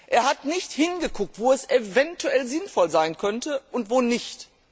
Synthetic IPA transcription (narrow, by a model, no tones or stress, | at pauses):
ʔeːɐhatnɪçthɪnɡəkʰʊk̚tv̥oːɛsevɛntuɛlzɪnfɔlzaɪnkʰœntəʔʊntv̥oːnɪçt